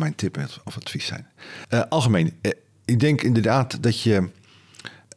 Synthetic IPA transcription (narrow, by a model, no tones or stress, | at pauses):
mɛjntʰɪpɛtɔfatfisɛ̰jnəʔɑlˠɣəmejn | ɪɡ̚dɛŋkɪndərdaːtdɔtjə